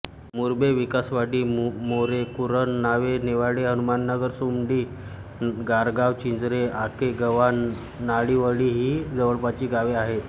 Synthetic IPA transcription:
muɾbeʋikasʋaɽiːmoɾekuɾənːaʋeneʋaɽeɦənumanːəɡəɾsumɖ̪iː | ɡaɾɡaʋt͡ɕind͡zɾeakeɡəʋan | naɭiːʋəɽiːɦiːd͡zəʋəɭpat͡ɕiːɡaʋeaɦe

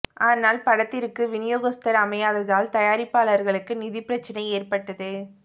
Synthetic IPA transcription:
ʔaːnaːlpɐɽɐt̪ːɪɾɯkːɯʋɪnɪjoːɣɐst̪ɐɾɐmɐjaːðɐɾðaːlt̪ɐjaːɾɪpːaːlɐɾɣɐɭɯkːɯnɪðɪpːɪɾɐt͡ʃːɐnɐɪeːrpɐʈːɐðɯ

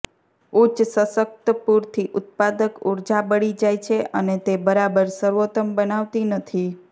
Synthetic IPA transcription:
ut͡ʃsəsək̚t̪əpuɾt̪ʰiʔʊt̪̚pad̪əkuɾd͡ʒabəɽid͡ʒajt͡ʃʰeʔənet̪ebəɾabəɾsəɾʋot̪əmbənaʋt̪inət̪ʰi

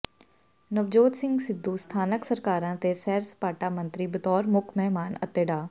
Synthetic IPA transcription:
nəʋd͡ʒoːt̪sɪŋɡsɪd̪ːuːst̪ʰaːnəksəɾkaːɾãːt̪eːsɛːɾsə̥paːʈaːmənt̪ɾiːbət̪ɔːɾmʊkʰmɛɦmaːnə̰t̪eːɖaː

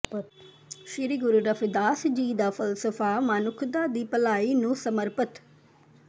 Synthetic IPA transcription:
ʃɪɾiɡʊɾuːɾəpʰd̪aːsd͡ʒiːd̪aːpʰəlsəfʰaːmaːnʊkʰd̪aːd̪iːpəlaːiːnũːsəməɾpət̪

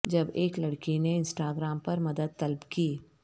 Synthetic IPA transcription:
d͡ʒɐbeːklɐɽkineɪ̃nsʈaːɡɾaːmpɐɾmɐd̪əd̪̚t̪ɐlbkiː

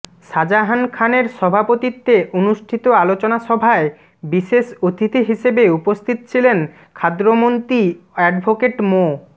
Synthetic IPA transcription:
ʃad͡ʑaɦankʰaneɾʃɔbʱapot̪it̪ːeʔonuʃʈʰit̪oalot͡ɕonaʃɔbʱae | biʃeʃot̪it̪iɦiʃebeupost̪ʰit̪ot͡ɕʰilen | kʰad̪ɾomont̪ɾiɛɖbʱokeʈmo

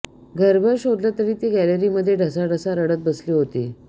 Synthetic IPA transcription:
ɡʱəɾbʱəɾɕod̪ljat̪əɽiːt̪iːɡæləɾiːməd̪ʱːjeɖʱəsaɖəsaɾəɽət̪̚bəsliːɦot̪ḭː

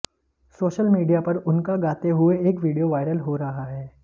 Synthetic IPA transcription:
soːʃəlmiːɖijapɐɾʊnkaɡaːt̪eɦʊeeːkʋiːɖijoʋaːɪɾəlɦoɾɐɦaɦɛː

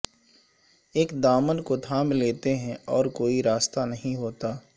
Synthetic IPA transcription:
eːkd̪aːmənkod̪ʱaːmleːt̪eɦɛ̃ɔːɾkoːiɾaːst̪anɐɦĩɦoːt̪aː

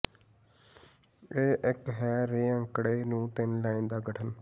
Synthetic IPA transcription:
eːʔɪkɦɛːɾeːə̃ŋkɽeːnũːt̪ɪnlaːiːnd̪aːɡəʈʰən

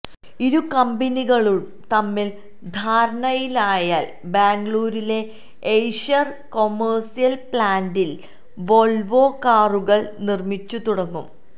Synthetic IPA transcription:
iɾukɐmbɐniɣɐɭuɭ | t̪ɐmːil | d̪ʱaːɾɐɳɐjilaːjaːl | baːŋɡɭuːɾile̞ | ejʂɐr | ko̞mːersijɐlpɭaːnɖil | ʋolʋoːkaːruɣɐɭnirmit͡ɕːut̪uɽɐŋːṵm

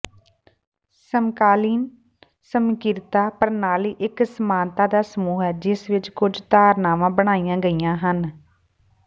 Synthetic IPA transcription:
səmkaːliːn | səmkɪɾt̪aːpəɾnaːliːʔɪksəmãːnt̪aːd̪aːsəmuːɦɛːd͡ʒɪsʋɪt͡ʃkʊd͡ʒt̪aːɾnaːʋãːbəɽ̃aːijãːɡəijãːɦən

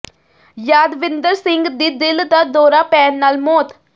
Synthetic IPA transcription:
jaːd̪ʋɪnd̪əɾsɪŋɡd̪iːd̪ɪld̪aːd̪ɔːɾaːpɛːnːaːlmoːt̪

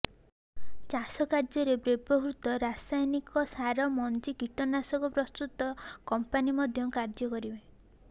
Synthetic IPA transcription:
t͡ʃasɔkaɾd͡ʒɔɾebɾebɔɦɾut̪ɔɾasajnikɔsaɾɔmɔnd͡ʒikiʈɔnasɔkɔpɾɔst̪ut̪ɔkɔmpanimɔd̪ʱjɔkaɾd͡ʒɔkɔɾibe

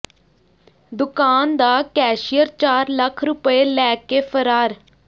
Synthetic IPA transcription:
d̪ʊkaːnd̪aːkɛːʃijəɾt͡ʃaːɾləkʰɾʊpəeːlɛːkeːfʰəɾaːɾ

